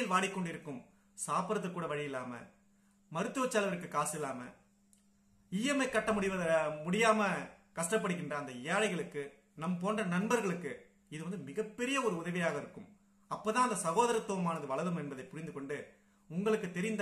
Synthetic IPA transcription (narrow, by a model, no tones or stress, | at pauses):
ɪlʋaːɽɪkːɔɳɖɪɾɯkːɯm | saːpɐɾɐt̪̬ːɯkːuːɽɐʋɐɻɪjɪlːaːmɐ̰ | mɐɾɯt̪ːɯʋɐt͡ʃːalɐʋɐɾɯkːɯkaːsɪlːaːmɐ̰ | iːjɛmɐɪkːɐʈːɐmʊɽɪʋɐðɐmʊɽɪjaːmɐkɐʂʈɐp̬ːɐɽɯɣɪndrɐːnd̪ɐɪjaːɻɐɪɣɐɭɯkːɯ | nɐmpoːndrɐnɐnbɐɾɣɐɭɯkːɯ | ɪðɯʋɐnd̪ɯmɪɣɐpːɛɾɪjɐɔɾɯʊðɐʋɪjaːɣɐɪɾɯkːɯm | ɐpːoːt̪ãːɐnd̪ɐsɐɣoːðɐɾɐt̪ːuːʋɐmaːnɐðɯʋɐɭɐðɯmɛnbɐðɐɪpːʊɾɪnd̪ɯkɔɳɖɯ | ʊŋɡɐɭɯkːɯt̪ːɛɾɪnd̪